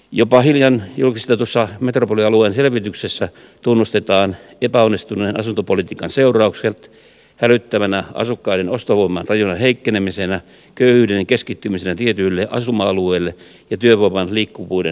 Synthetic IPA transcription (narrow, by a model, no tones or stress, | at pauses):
jopɑhiljɑnjulkist̪et̪usːɑmet̪ropoliɑlueːnselʋit̪yksesːæ | t̪unːust̪et̪ɑːn | epæonːist̪uneːnɑsunt̪opolit̪iːkɑnseurɑukselt̪ | hælyt̪ːæʋænæʔɑ̰sukːɑidenost̪oʋoimːɑnrɑjunɑheikːenemisenæ | køyhyːdenkeskit̪ːymisenæt̪iet̪ylːeʔɑ̰sumɑɑlueːlːe | jɑt̪yøʋoimɑnliːkːuʋuidḛ